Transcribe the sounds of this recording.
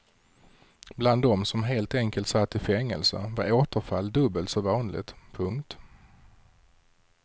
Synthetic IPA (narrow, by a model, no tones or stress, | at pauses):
bland̪ːɔmsɔmɦeːlt̪ɛŋkəlt̪sat̪ːɪfɛŋːə̰lsə̰vaɾoːt̪əɾfalːd̪ɵbːəlt̪sɔvɑːnlɪ̰t̪pʰɵŋkt̪